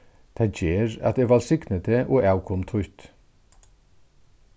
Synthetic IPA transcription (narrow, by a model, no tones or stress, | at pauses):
t̪ʰɑd͡ʒeːɾɑ̰t̪eʋɑɾsɪknət̪ʰəʔoːʔɑʉʊkʰɔmt̪ʰʊʏt̪